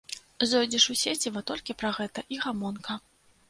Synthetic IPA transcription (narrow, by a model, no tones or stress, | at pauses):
zɔjd͡zʲiʂusʲet͡sʲivɐt̪ɔlʲkʲipɾɐɣɛt̪ɐʔiɣamɔnkɐ